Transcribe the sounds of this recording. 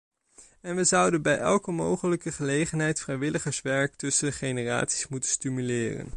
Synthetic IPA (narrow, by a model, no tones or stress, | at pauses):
ɛnʋəzʌwdənbɛjʔɛlˠkəmowχələkəχəlejχənɦɛjtfrɛjʋɪləχəɹsʋɛɹk̚tɵsənəχejnəra̰ːtsi̥smutənstymylɪːrə̰n